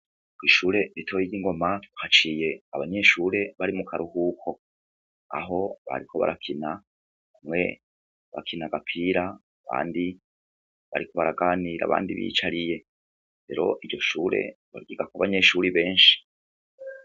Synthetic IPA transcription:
ɡwiːʃuːɾe̞ɾitʰo̞ːjiɡɟiŋɡo̞mauhat͡ʃiːje̞aβaɲe̞ʃuːɾe̞βaɾimukʰaɾʔuhukʰo̞ | a̰ɦo̞βa̰ɾikʰo̞βa̰ɾʔakʰina | amŋe̞̰ | βa̰kʰinaɡapʰiːɾa | aβa̰ːndi | βa̰ɾikʰo̞βaɾaɡaːniɾa̰βa̰ːndḭβḭːt͡ʃaɾije̞ | ɾe̞̰ɾo̞̰ʔiɟo̞ʃuːɾe̞̰ | βa̰ɾɡiɡakoaβaɲe̞ʃuːɾiβe̞ːnʃi̥

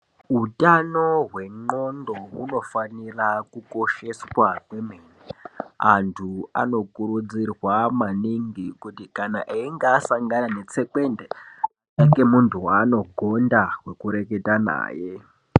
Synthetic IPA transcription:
ɦutanoɦwe̞ŋ͡ǃondo̞uno̞fanirakuko̞ʃe̞swakwemeːn | antʰua̰no̞kuɾud͡zirwamaniŋɡikutikanaʔeiŋɡaːsaŋɡanane̞t͡se̞kwende | eŋɡe̞muntʰuwano̞ɡʱo̞ndawe̞kuɾe̞ke̞tana̰ːje

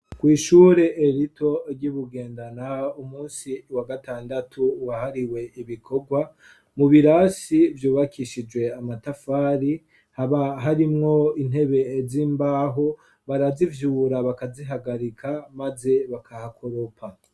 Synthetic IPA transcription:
kwiːʃuːɾe̞ʔːɾito̞ɾɟiβuɡe̞ːndanaumuːnsiwaɡataːndatʰuwahaɾiwe̞iβikʰo̞ɡwa | muβiɾaːsivjuːβakʰiʃid͡ʒwe̞amatafaːɾi | haβaɦaɾimŋo̞in̥he̞βe̞ziːmbaɦo̞ | βaɾazivjuːɾaβakaziɦaɡaɾikʰamaze̞βakʰahakʰo̞ɾo̞pʰa

